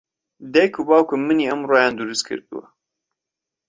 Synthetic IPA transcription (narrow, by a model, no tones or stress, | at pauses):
d̪ɛjkʰubɑːwkɨmɨniːɐmroːjɑ̃ːnd̪uɾɨskʰɨ̰ɾt̪ɨ̰wɛ̰